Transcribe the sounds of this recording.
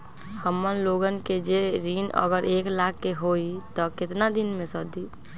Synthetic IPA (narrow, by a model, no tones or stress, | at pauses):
həmːənloɡənked͡ʒeɾinə̰ɡəɾeklakːeɦoit̪ɔkɪt̪nad̪inmẽsəd̪i